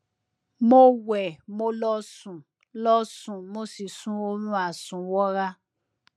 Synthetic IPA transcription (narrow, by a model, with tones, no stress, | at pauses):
mo˦wɛ˨mo˦lɔ˦sũ˨ | lɔ˦sũ˨mo˦si˨sũ˦o˦ɾũ˦a˨sũ˨wɔ˦ɾa˦